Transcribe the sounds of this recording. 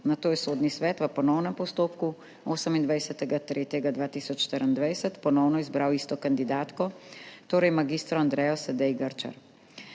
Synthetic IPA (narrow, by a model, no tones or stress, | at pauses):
nat̪oːjɛsoːd̪nisʋɛːt̪ʋəpɔnɔwnɛmpɔst̪oːpku | oːsəmind̪ʋajsɛt̪ɛɡat̪ɾeːt̪jɛɡad̪ʋaːt̪iːsɔt͡ʃʃt̪əɾənd̪ʋajsɛt̪pɔnɔwnɔizbɾawiːst̪ɔkand̪id̪aːt̪kɔt̪oːɾɛjmaɡiːst̪ɾɔand̪ɾɛjɔsɛd̪ɛjɡəɾt͡ʃa̰ɾ